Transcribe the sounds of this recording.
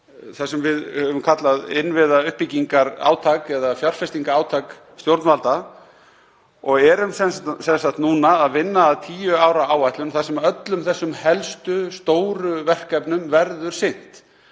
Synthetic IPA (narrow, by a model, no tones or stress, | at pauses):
θasɛmvɪðhœvʏmkʰat̪laðɪnvɪðaʏhpicːiŋkaɾa̰ːwt̪ʰakɛðafjar̥fɛst̪iŋkaaːwt̪ʰak | st̪jowɾt̪nvalt̪a | ɔɣɛɾʏmsɛnssɛnsaht̪nuːnaːðvɪnːaːðt̪ʰiːjʏaːwɾaaːwajt̪lʏmθasɛmœt̪lʏmθɛsːʏmhɛlst̪ʏst̪oːwɾʏvɛr̥kɛpnʏmvɛɾðʏɾ̥sɪn̥t̪